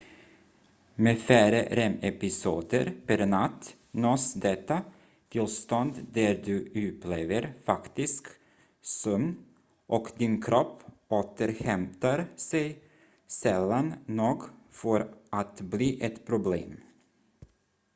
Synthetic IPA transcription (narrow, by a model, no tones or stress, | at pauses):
meːfæːɾə̰ɾɛmɛpɪsuːd̪ə̰ɾpʰæɾnat̪ː | noːsd̪ɛt̪ːa | t̪ʰɪlst̪ɔnd̪d̪æd̪ʉʉpʰleːvəɾfakt̪ɪsk | sɔmn | ʔɔkd̪ɪnkʰɾɔpː | oːt̪əɾhɛmt̪aɾsɛj | sɛlːannoːɡfœɾʔat̪bliːʔɛt̪pʰɾʊblḛːm